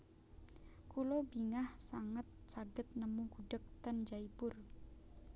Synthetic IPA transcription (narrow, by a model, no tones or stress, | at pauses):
kulobiŋahsaŋət̪̚t͡ʃaɡət̪̚nəmuɡuɖək̚t̪and͡ʒaibʊr